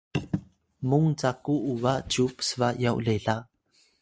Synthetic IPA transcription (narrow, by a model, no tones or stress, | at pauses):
muŋt͡sakuʔuvaʔt͡ɕupsəvaʔjawleɮa